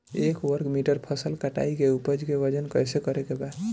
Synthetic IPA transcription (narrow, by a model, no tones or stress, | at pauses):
ekwəɾkmiʈəɾpʰəsəlkəʈa̰ikeupəd͡ʒkeʋəd͡ʒənkəjsekəɾekeba